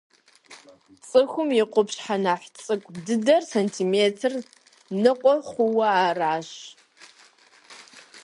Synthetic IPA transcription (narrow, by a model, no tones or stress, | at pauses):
t͡sʼɨxʷʊmjɪqʷʊpɕħanaħʷt͡sʼɨkʷʼdɨdɐrsentʰiːmeːtʰɨr | nɨqʷʼɔχʷʊwɐaːraːɕ